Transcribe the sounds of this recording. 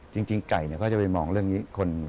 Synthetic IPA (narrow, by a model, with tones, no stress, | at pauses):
t͡ɕi˧ŋt͡ɕi˧ŋka˨˩jni˥˩kɔː˥˩t͡ɕa˨˩pa˧jmɔː˧ŋɾɯ˥˩əŋniː˦˥kʰo˧n˨˩